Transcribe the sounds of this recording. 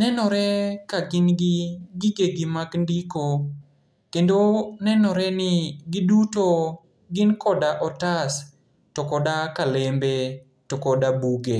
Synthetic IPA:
nɛnɔɾɛkaɡɪnɡɪɡɪɡeɡɪmakndiko | kendonɛnɔɾɛnɪɡɪduto | ɡɪnkɔdaʔɔtas | tɔkɔdakalembe | tɔkɔdabuɡe

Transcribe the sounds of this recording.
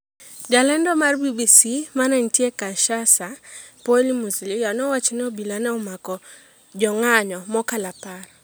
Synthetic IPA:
d͡ʒalɛndɔmarbibisimanantiekaʃasapɔlimuzlijanɔwat͡ʃnɛobilanaumakɔ | d͡ʒɔŋaɲɔmɔkalapaɾ

